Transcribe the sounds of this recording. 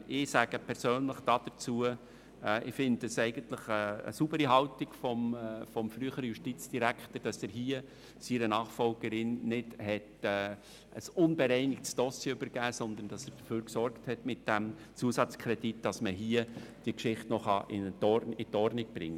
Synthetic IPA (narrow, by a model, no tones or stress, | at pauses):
ʔɪsæɡ̥əpʰɛɾsøːnləχd̥ɑːd̥ət͡suə | ʔɪfɪnddəsɛɪɡ̥əntləχəə̰subəɾiɦɑltɪɡ̥fɔmfɔmfɾyːəχəɾəjuʃtit͡sd̥iɾækχtəɾd̥ɑsɛːɾɦiːə | siɾənɑːχfɔlɡəɾɪnːɪdhɛtɛː | ʔəsʊnbɛɾɛɪnɪktsd̥ɔsjɛʏbəɾɡæːsɔnd̪ən̩d̥ɑsɛɾd̥əføːɾksɔrkthɛtmɪt̚d̥æm | t͡suəsɑt͡skʰɾɛd̥itd̥ɑsməɦiəd̥iəkʃɪχtnɔχɑʔɪntɔɾɪtɔɾnɪɡ̚b̥ɾɪ̰ŋːə